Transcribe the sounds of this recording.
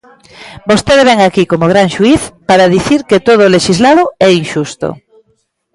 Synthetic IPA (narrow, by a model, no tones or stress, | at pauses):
bost̪eðeβɛŋakikomoɣ̞ɾaŋʃuiθpaɾaðiθiɾket̪oð̞oleʃizlaðʊɛinʃust̪o̰